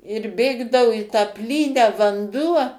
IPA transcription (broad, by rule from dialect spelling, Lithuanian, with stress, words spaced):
ɪr ˈbʲeːɡdɐʋʊ ɪ tɑː ˈpʲlʲiːnʲæː ʋɐnˈduɔ